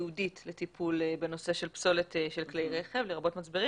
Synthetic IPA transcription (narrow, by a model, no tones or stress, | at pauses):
uditletipʰulbeno̞se̞ʃe̞lpso̞leteʃelklejʁe̞χe̞vleʁabo̞tmat͡sbeʁi